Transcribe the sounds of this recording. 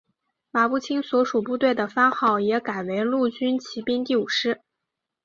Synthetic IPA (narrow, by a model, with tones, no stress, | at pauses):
ma˨˩pu˥˩t͡ɕʰi˥ŋswɔ˧˥ʂu˨˩pu˥˧t̪we˥˩ɪd̪ə˩fa˥nxɑ˥˩ʊjɛ˧˥ka˨˩ɪwe˧˥ɪlu˥˩t͡ɕy˥nt͡ɕʰi˧˥pi˥nt̪̬i˥˩u˨˩ʂɻ̩˥